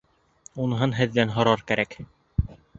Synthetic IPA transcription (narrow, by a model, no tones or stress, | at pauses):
unɦɤnɦɘ̆ðːænɦŏɾɑɾkæɾæk